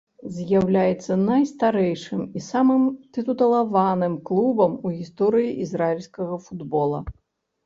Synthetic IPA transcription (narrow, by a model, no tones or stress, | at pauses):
zʲjawlʲajɛt̪sːɐnajst̪aɾɛjʂɨmisamɨmt̪ɨt̪ut̪ɐlˠavanɨmklˠubɐmuɣʲist̪ɔɾɨjiʔizɾailʲsʲkɐɣɐfud̪bɔlˠɐ